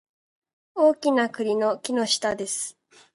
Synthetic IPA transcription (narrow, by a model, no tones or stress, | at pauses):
o̞ːkʲinakɯ̟ɾʲino̞kʲino̞ɕi̥t̪ad̪e̞sɨ̥